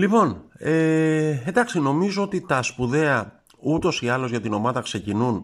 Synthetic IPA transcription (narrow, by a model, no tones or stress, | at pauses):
lipo̞neend̪ɐksino̞mizoot̪it̪ɐspuðe̞ɐ | ut̪o̞siɐlo̞zʝɐt̪ino̞mɐðɐkse̞cinun